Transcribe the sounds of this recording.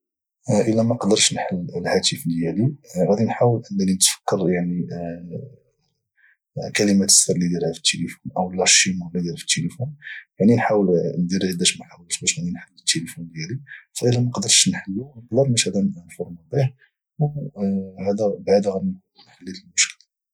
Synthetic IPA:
ʔəlːæmæqd̪əɾˤʃnħəlːəlhæt̪əfljæliɣæd̪inħawəlʔənːælinət̪fə̥kːəɾˤjaʕni | kæləmæt̪ə̥sfəɾˤlid̪jælhæfə̥t̪ːelifunʔəwəlːɑʃimʊlːid̪jæɾfə̥t̪ːelifunjaʕninħawəlnd̪iɾihd̪æʃmæħawəlt̪bæʃnæd̪inħəlːət̪ːelifund̪jælifæʔəlːæmæqd̪əɾˤʃnħəlːunəqd̪əɾˤbæʃhæd̪ænnfuɾmɑbih | hæd̪æbʕd̪æɣæd̪in | ɾnħəlːit̪əlmʊʃkəl

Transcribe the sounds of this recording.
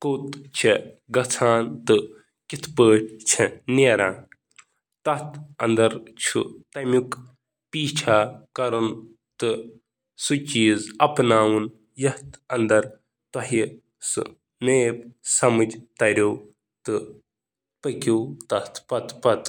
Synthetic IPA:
kot̪t͡ʃʰi | ɡɐt͡sʰaːnt̪ɨ | kit̪ʰpəːʈʰʲt͡ʃʰɐneːɾaːn | t̪ɐt̪ɐ̰nd̪ɐɾt͡ʃʰṵt̪ɐmʲuk | piːt͡ʃʰaːkɐɾɐn | t̪ɨ | sut͡ʃiːzɐpnaːwɨn | jɐht̪ɐnd̪ɐɾ | t̪ɐɦi | sɨ̰ | meːp̚sɐmɐd͡ʒt̪ɐɾʲow | t̪ɨ | pɐkʲiwt̪ɐt̪ʰpɐt̪pɐt̪

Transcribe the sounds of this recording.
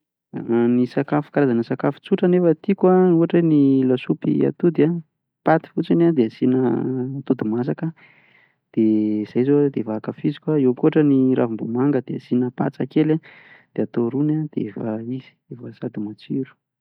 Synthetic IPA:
nisakafu̥kaɾazanəsakafu̥t͡suʈ͡ʂənefət̪ikwauɦaʈ͡ʂenilasupḭa̰t̪ud̪ia | pat̪i̥fut͡sinad̪easinə̰t̪ud̪imas̬akə | d̪̥ez̥ajzod̪evaːkafizikaewkuɦaʈ͡ʂəniɾʔavimbumaŋɡəd̪easinəpa̰t͡sa̰kela | d̪̥eat̪oɾunad̪̥eefaizi̥efasad̪imat͡siɾu̥

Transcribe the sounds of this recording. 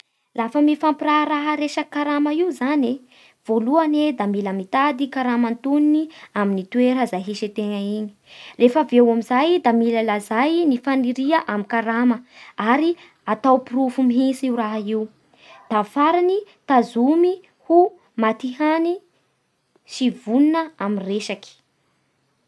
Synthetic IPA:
lafəmifampiɾaɾaɦəɾeʃəkaɾaməiwzane | v̥oluaned̪amiləmit̪ad̪ikaɾamant̪uniniaminit̪uweɾəzajɦiʃit̪eŋəiɲi̥refəvewamizajd̪amiləlazajnifaniɾiəʔamikaɾaməaɾi | at̪awpiɾuvumiɦinsiwɾaɦaiw | d̪̥afaɾanit̪azumi | hu | mat̪iɦani | sivuninəaminreʃaki̥

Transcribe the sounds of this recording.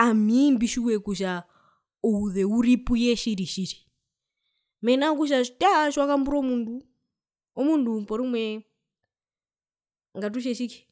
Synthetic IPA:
amimbiʃiwɛkuʃa | uhuðɛuɾipujɛʃiɾiʃiʃi̥ | mɛnak̬uʃ̬ataʃwakambuɾɔmundu | ɔmundupɔɾimwɛ | ŋɡat̬uʃ̬ɛʃiki̥

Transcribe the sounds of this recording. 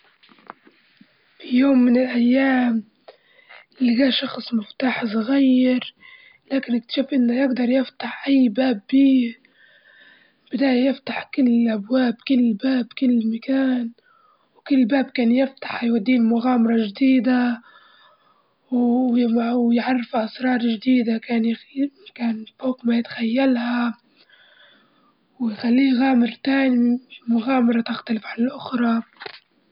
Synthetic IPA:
fijoːmːɪnɪlʔajːaːm | ɪliɡaːʃɑxsˤmɪft̪aːħsʊɣajːɪɾ | laːkɪnɪk̚t̪ḁʃaːfʔɪnːajɪɡd̪ɑɾˤjɪft̪aħʔajːbaːbːiː | b̥ɪd̪aːjajɪft̪aħkɪlːɪʔabwaːbkɪlːbaːbkɪlːɪmakaːn | wkɪlːbaːb̚kaːnjɪft̪ḁħjwad̪ːiːlmʊɣaːmɑɾˤɑʒd̪iːd̪a | wjwjʕarˤːɪfʔɑsɾˤɑːɾˤʒd̪iːd̪akaːnkaːnfoːqmajɪt̪ḁxajːalha | wjxalːiːɣaːmɪɾt̪aːnimʊɣaːmɑɾˤɑt̪ɪxt̪alɪfʕanɪlʔʊxɾˤɑ

